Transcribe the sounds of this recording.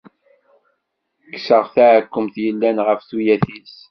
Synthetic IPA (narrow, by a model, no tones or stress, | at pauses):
ksəʁθaʕkʷːəmθjəlːænʁəfθujæθis